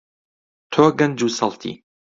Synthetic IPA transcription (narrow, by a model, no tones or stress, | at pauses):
t̪ʰoːɡɐnd͡ʒuːsɐlt̪ʰḭ